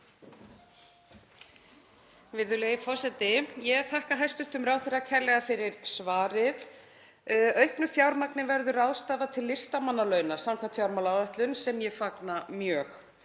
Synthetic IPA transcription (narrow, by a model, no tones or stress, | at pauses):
vɪðʏleɣɪpʰɔsɛt̪ɪjɛθahkaɦajst̪ʏht̪ʏmraːwθɪɾakʰɛlːɛɣafɪɾɪɾsvaːɾɪð | œɥhknʏfjawɾmaknɪnvɛɾðʏɾawðst̪aːvat̪ʰɪlːɪst̪amanːalœːɥnḁsamkʰvat̪fjawɾmawlawœht̪lʏnsɛmjɛfaknamjœːx